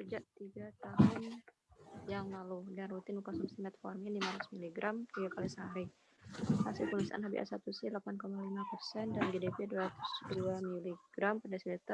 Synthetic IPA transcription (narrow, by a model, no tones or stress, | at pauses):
kərd͡ʒaʔt̪iɡat̪aɦʊn | jaŋlaludanrut̪ɪnukasɔmst̪imɛt̪̚fɔrmadimalasmiliɡɾʔamt̪iɡakalisəɦaɾi | hasɪlkəŋasa̰ʔa̰nɦabḭʔa̰sat̪usilapankomalimapərsɛndanɡedepɛduɾat̪u̥sduamiliɡ̥ɾampədasilit̪ə